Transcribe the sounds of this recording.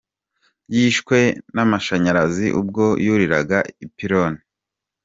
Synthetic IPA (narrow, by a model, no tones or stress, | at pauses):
jiːʃkwe̞namaʃaɲaɾazḭʔṵb̚ɡo̞juɾiɾa̰ɡaipiɾoni